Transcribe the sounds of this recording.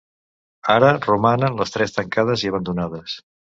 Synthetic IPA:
aɾərumanənləst̪ɾɛst̪əŋkað̞əziəβənd̪unað̞əs

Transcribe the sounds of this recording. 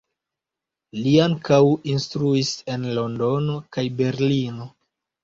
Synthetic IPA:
liaŋkawinstɾuise̞nlo̞ndo̞no̞kajbe̞ɾlino̞

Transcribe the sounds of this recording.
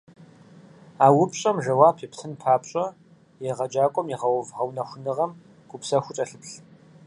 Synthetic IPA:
aːwʊpɕʼɐmʒɐwaːpʰiptʰɨnpʰaːpɕʼɐ | jɛʁɐd͡ʒaːkʷʼɔmjɪʁɐwɐvʁɐwnɐxʷʊnɨʁɐm | ɡ̥ʷʊpsɐxʷʊt͡ʃʼɐɬɨpɬ

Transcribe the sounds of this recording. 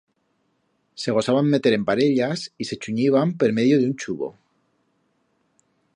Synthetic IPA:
se̞ɣ̞o̞saβamːe̞t̪e̞ɾe̞mpaɾe̞ʎasise̞t͡ʃuɲiβampeɾme̞ðjo̞ðeunt͡ʃuβo̞̰

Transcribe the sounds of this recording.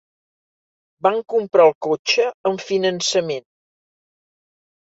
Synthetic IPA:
baŋkumpɾaəlˠkot͡ʃəəɱfinənsəmen

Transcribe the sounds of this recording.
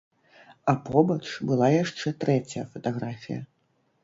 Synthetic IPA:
apɔbɐt͡ʂbɨlˠajaʂt͡ʂɛt̪ɾɛt͡sʲɐjɐfɐt̪aɣɾafʲḭjɐ̰

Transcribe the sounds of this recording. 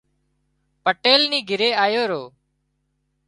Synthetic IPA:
pəʈeːlniːɡʱɪɾeːaːjoːɾoː

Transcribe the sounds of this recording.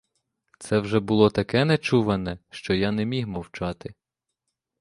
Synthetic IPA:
t̪sɛwʒɛbʊlˠɔt̪ɐkɛnɛt͡ʃuʋɐnɛʃt͡ʃɔjanɛmʲihmɔwt͡ʃɑt̪ɪ

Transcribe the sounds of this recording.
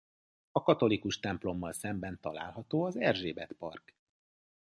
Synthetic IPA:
ɒkɒt̪o̞likuʃt̪ɛmplo̞mːɒlsɛmbɛnt̪ɒla̰ːlɦɒt̪oːɒzɛrʒeːbɛt̪pɒ̰rk

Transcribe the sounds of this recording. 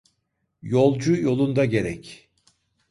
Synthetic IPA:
jo̞lˠd͡ʒujo̞lˠund̪aɟe̞ɾɛc

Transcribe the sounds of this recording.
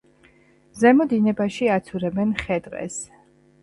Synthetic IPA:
zɛmɔd̪inɛbaʃiat̪sʰuɾɛbɛnχɛd̪qʼɛ̰s

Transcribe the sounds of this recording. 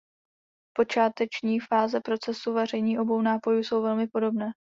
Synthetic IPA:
po̞t͡ʃaːt̪ɛt͡ʃɲiːfaːzɛpɾo̞t͡sɛsuvɛr̝ɛjɲiːʔo̞bo̞wnaːpo̞juːso̞wvɛlmɪpo̞do̞bnɛː

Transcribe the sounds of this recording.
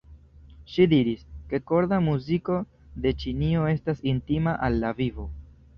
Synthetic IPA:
ʃidiɾiske̞ko̞ɾdamuziko̞ | de̞t͡ʃinio̞e̞stasintimaʔalːavivo̞

